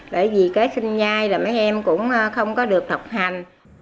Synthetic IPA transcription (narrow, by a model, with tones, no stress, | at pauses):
ɓə̰ː˧˩jvi˨˩kaː˨˦jsi˧nzaː˧jlaː˨˩ma˨˦jʔɛ˧mkʊ̰˧˥ŋ͡mʔəː˧xə˧wŋ͡mkɔ˨˦ɗɨ˨˩ək̚t̪ʰə˨˩wk͡p̚ha˨˩jŋ̟